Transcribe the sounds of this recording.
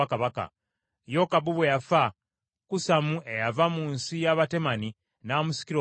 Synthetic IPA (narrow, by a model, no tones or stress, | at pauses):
akaβaka̰ | jo̞kabuβwejafa | kusamue̞javamuːnsijaβate̞mani | naːmusi̥kiɾo